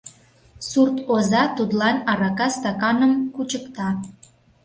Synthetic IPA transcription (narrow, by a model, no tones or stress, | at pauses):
surt̪ozɑt̪ud̪lɑnɑɾɑkɑst̪ɑkɑnəmkut͡ɕəkt̪ɑ